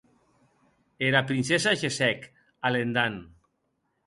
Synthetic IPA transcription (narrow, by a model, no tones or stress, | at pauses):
eɾapɾinsesaʒesɛk | alend̪an